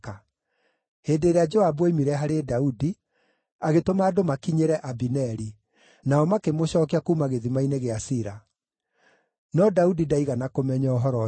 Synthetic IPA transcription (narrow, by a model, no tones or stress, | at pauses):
ka | hedeːɾead͡ʒɔabweimiɾɛɦaɾedaudi | aɣetomaːdomakiɲeɾɛʔabinɛɾi | naɔmakemoɕɔːkeakumaɣeðimaineɣeasiɾa | nɔdaudidaiɣanakomɛɲɔɔɦɔɾɔ